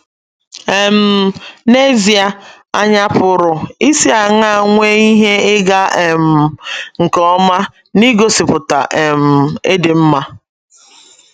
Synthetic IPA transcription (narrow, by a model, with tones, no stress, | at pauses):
e˨m̩˦ne˦zi˨a˨ | a˦ɲa˦pʊ˨ɾʊ˨i˦si˦a˨ŋ˦a˦˨ŋʷe˦i˦ɦe˦ɪ˦ɡa˦e˨m̩˨ŋ̩˨kɔ˦ma˦ | ni˦ɡo˦sɪ˨pʊ˨ta̰˨ʔe˨m̩˨e˦dɪ˨m̩˦ma˦